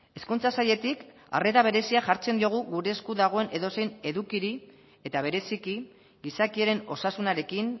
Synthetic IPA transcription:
e̞skunt͡sasaʎe̞t̪ik | a̰re̞t̪aβ̞e̞ɾe̞siaʝaɾt͡se̞nd̪io̞ɣ̞uɣuɾe̞skuðaɣ̞o̞e̞ne̞ðo̞se̞jne̞ðukiɾi | e̞t̪aβ̞e̞ɾe̞siki | ɣisakieɾe̞no̞sasunaɾe̞kin

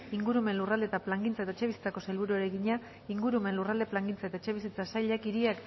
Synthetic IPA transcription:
iŋɡuɾume̞nlurald̪e̞t̪aplaŋɡint͡saet̪aet͡ʃe̞β̞isi̥t͡sako̞se̞lβuɾueɾe̞ɣiɲa | iŋɡuɾume̞nlurald̪e̞plaŋɡint͡sae̞t̪aet͡ʃe̞βis̬it͡sasajʎakiɾiak

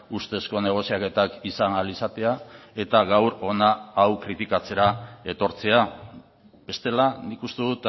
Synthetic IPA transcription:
ust̪e̞sko̞ne̞ɣ̞o̞siake̞t̪akisanalisat̪e̞ae̞t̪aɣawɾo̞naːwkɾit̪ikat͡se̞ɾae̞t̪o̞ɾt͡se̞a | be̞st̪e̞lanikust̪e̞ðut̪

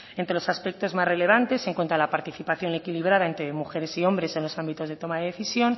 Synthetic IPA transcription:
ent̪ɾe̞lo̞saspek̚t̪o̞zmazre̞le̞βant̪e̞se̞ŋkwe̞nt̪alapaɾt̪iθipaθjo̞ne̞kiliβ̞ɾaðae̞nt̪ɾe̞muxe̞ɾe̞sio̞mbɾe̞se̞nlo̞sambit̪o̞zðe̞t̪o̞maðeðe̞θisjo̞n

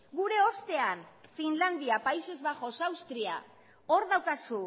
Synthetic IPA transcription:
ɡuɾe̞o̞st̪e̞anfinland̪iapaise̞zβaʝo̞sawst̪ɾia̰ | o̞ɾðawkasu

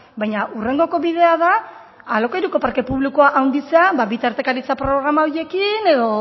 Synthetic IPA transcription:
bajɲaʔure̞ŋɡo̞ko̞βiðe̞að̞a | alo̞kejɾuko̞paɾke̞puβlikoaʔawnd̪iseabaβit̪aɾt̪e̞kaɾit͡sapɾo̞ɣɾamaoɾje̞kine̞ðo̞

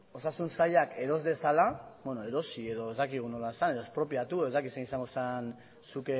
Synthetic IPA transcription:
o̞sasunsaʎake̞ɾo̞zde̞salabwenoe̞ɾo̞sie̞ðo̞e̞zd̪akiɣ̞uno̞laesane̞ðoespɾo̞pjat̪uee̞zd̪akisenisaŋɡo̞san | suke

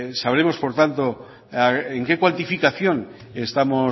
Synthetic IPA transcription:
saβe̞mo̞spo̞ɾt̪ant̪o̞ | aeŋke̞kwant̪ifikaθjo̞n | est̪amo̞

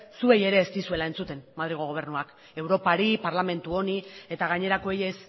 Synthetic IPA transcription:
sue̞je̞ɾe̞ːst̪isue̞lae̞nt͡sut̪e̞nmaðɾiɣ̞oɣ̞o̞β̞e̞ɾnuak | e̞wɾo̞paɾipaɾlame̞nt̪uo̞nie̞t̪aɣ̞aɲe̞ɾako̞eje̞s

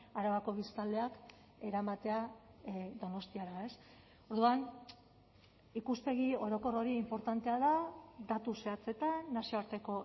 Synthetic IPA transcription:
aɾaβako̞β̞ist̪ald̪e̞ak | e̞ɾamat̪e̞a | d̪o̞no̞st̪iaɾae̞s | o̞ɾðuan | ikusp̪e̞ɣ̞io̞ɾo̞ko̞ro̞ɾiːmpo̞ɾt̪ant̪e̞aðad̪at̪use̞at͡se̞t̪anasio̞aɾt̪e̞ko̞

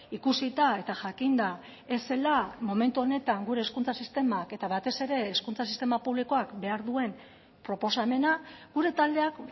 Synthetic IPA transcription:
ikusit̪ae̞t̪aʝakind̪a | e̞se̞lamo̞me̞nt̪uo̞ne̞t̪aŋɡuɾe̞ːskunt͡sasist̪e̞make̞t̪aβat̪e̞se̞ɾe̞ːskunt͡sas̬ist̪e̞mapuβliko̞akbe̞aɾðue̞n | pɾo̞po̞same̞naɡ̥uɾe̞t̪ald̪e̞ak

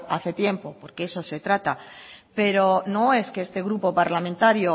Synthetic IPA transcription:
aθe̞t̪je̞mpo̞po̞ɾkeeso̞se̞t̪ɾat̪ape̞ɾo̞no̞e̞ske̞est̪e̞ɣɾupo̞paɾlamẽnt̪aɾjo

